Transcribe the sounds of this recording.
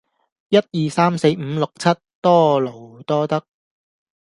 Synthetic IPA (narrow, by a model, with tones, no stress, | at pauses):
jɐ˥t̚jiː˨saː˥mse˧jm̩˨˧lʊ˨k̚t͡sʰɐ˥t̚t̪ːɔː˥lo˨˩wt̪ɔː˥t̪ɐ˥k̚